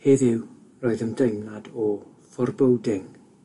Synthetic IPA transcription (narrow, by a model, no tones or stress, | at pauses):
heðɪw | rɔːɨðəmdejmladɔ | fɔrbowdɪŋ